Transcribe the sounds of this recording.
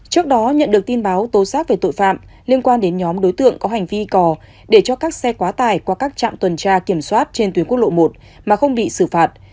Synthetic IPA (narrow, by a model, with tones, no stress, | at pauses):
t͡ɕɨ˦˥ək̚ɗɔ˨˦ɲə̰˧˨nɗɨ˨˩k̚t̪i˧nɓaː˨˦wt̪o˨˦saː˦˥k̚ve˨˩t̪o̰˧˨jfa̰ː˧˨m | li˧ənkwaː˧nɗe˨˦nɲɔ˨˦mɗo˨˦jt̪ɨ̰˧˨əŋkɔ˨˦ɦa˨˩jŋ̟vi˧kɔ˨˩ | ɗe˧˩t͡ɕɔ˧kaː˦˥k̚sɛ˧kwaː˨˦t̪aː˧˩jkwaː˧kaː˦˥k̚t͡ɕa̰ː˧˨mt̪wə˨˩nt͡ɕaː˧ki˧˩əmswaː˦˥t̚t͡ɕe˧nt̪wnkək̚ɗo̰˧˨mo˨˩t̚ | maː˨˩xə˧wŋ͡mɓḭ˧˨sɨ˧˩faː˨˩t̚